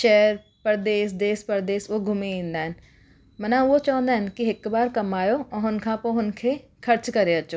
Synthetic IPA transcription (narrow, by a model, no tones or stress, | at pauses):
ʃɛːɾ | pəɾd̪eːsd̪eːspəɾd̪eːsoːɡʱʊmiĩːnd̪aːɦɛn | mənãːʋoːt͡ʃãːnd̪aːɦənkɪɪkbaːɾkəmaːjoːɔːɦʊnkʰãːpõːɦʊnkʰeːkʰəɾt͡ʃkəɾeːət͡ʃːoː